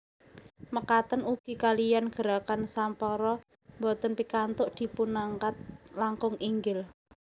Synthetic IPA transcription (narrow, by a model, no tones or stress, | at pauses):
məkat̪ənuɡ̥i̤kalijanɡ̥ə̤ɾakansampɔɾɔ | mbɔt̪ənpikant̪ʊʔd̪̥i̤punaŋkat̪̚laŋkʊŋiŋɡɪl